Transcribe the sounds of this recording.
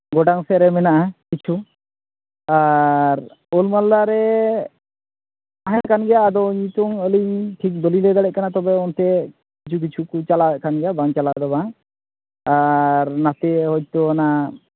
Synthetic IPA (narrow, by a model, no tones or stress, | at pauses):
ɡɔɖaŋsɛɾɛmɛnaʔakit͡ʃʰu | aɾ | ɔlmalːaɾɛ | aɦjakanɡɛjaːd̪ɔɲit̪ɔŋəliɲʈʰik̚d̪ɔlilɛd̪aɽɛʔ̚kanat̪ɔbɛɔnt̪ɛ | kit͡ʃʰuk̬it͡ʃʰukut͡ʃalaɛʔkanɡɛjabaŋt͡ʃalad̪ɔbaŋ | aɾnat̪ɛɦɔc̚t̪ɔna